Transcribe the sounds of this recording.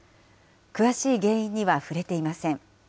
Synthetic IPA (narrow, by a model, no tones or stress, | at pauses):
kɯ̟βaɕiːɡẽ̞ːĩɲ̟ːiβaɸɯ̟ɾe̞t̪e̞imasẽ̞ŋ